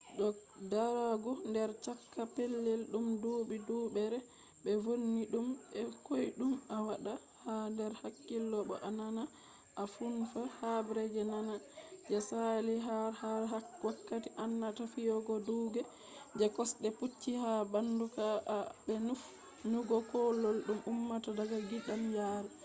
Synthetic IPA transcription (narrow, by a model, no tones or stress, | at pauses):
ɗɔdaɾaɡɔndɛɾt͡ʃakːapelːɛlɗumduːbidubɛɾɛ | bɛvonːiɗumɛkojɗumawaɗa | handɛɾhakːilːɔɓɔ̰ʔanana | ʔafunfahabɾɛd͡ʒɛnanad͡ʒɛsaliɦaɾhaawakːatiʔanːatafijɔɡɔduːɡɛ | d͡ʒɛkɔsɗɛput͡ʃːihabandukaʔbɛnuf | nuɡɔkɔlːɔlɗumumːatadaɡaɡiɗamjaɾɛ